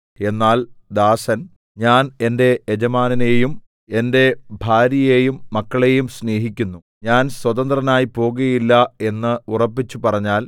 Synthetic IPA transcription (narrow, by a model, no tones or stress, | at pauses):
e̞nːaːld̪aːsɐn | ɲaːne̞nde̞ed͡ʑɐmaːnine̞jum | e̞nde̞bʱaːɾjɐjejumːɐkːɐɭe̞jumsne̞ːɦikʲːunːu | ɲaːnswɐt̪ɐnd̪rɐnaːjipo̞ːɣuɐjilːɐe̞nːɨurɐpːit͡ɕːupɐrɐɲːaːl